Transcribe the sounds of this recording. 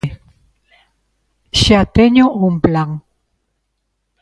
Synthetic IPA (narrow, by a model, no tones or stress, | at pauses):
ʃiat̪eɲoʔumplaŋ